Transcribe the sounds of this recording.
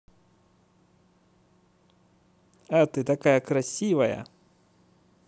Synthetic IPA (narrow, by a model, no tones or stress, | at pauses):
at̪ɨt̪akajɐkɾasʲivɐjɐ̰